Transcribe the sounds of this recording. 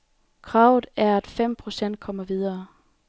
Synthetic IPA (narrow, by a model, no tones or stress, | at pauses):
kʰʁɑ̈ːʊð̩ˠæɐæd̥fem̰pʰʁo̝sen̰d̥̚kʰɒ̽m̰ɐʋið̞ˠɐː